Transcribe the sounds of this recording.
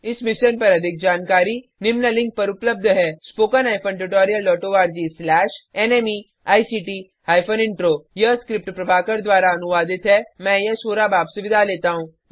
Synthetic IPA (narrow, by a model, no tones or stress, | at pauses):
ɪsmɪʃənpɐɾɐd̪ʱɪk̚d͡ʒaːnkaːɾinɪmnəlɪ̃ŋɡ̚pɐɾʊpləb̚d̪ʱɦɛːspoːkənaːjpʰənʈ̬uʈɔːɾijəlːɔːʈoʋaːɾd͡ʒiːslɛːʃɛːneːmi | aːisiːʈi | ɦaːjpʰənɪ̃ɳʈɾoːjɐskɾɪp̚ʈpɾɐbʱaːkəɾd̪ʋaːɾaɐnʊʋaːd̪ɪt̪ɦɛmɛ̃ːjɐsoːɾabaːbsʊʋɪd̪ʱaleːt̪aɦũː